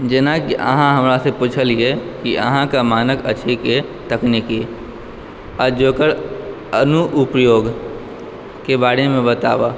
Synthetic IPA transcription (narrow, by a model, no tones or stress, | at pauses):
d͡ʒenãkiʔə̰ɦãɦɐmɾasepuːt͡ʃʰəliekiʔə̰ɦãkamaːnəkət͡ʃʰeke | t̪əkneki | əɾd͡ʒoːkəɽ | ənuʔʊpjoːɡ | kebaːɽemẽbət̪a̰ːʋaː